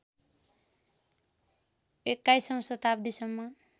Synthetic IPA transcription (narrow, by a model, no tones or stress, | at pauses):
ekːajsʌmsʌt̪abd̪isʌmːʌ